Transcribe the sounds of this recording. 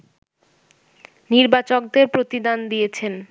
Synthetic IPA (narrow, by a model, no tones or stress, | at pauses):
niɾbat͡ɕok̚d̪eɾpɾot̪id̪and̪ijet͡ɕʰen